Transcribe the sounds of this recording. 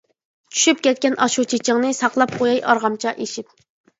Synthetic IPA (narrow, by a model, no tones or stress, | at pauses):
t͡ʃʰy̥ʃyp̚kʲɛt̪̚kʲɛnɑʃut͡ʃʰet͡ʃʰɪŋnɨsɑqlˠɑp̚qʰojɑjʔɑɾʁɑmt͡ʃʰɑʔeʃip̚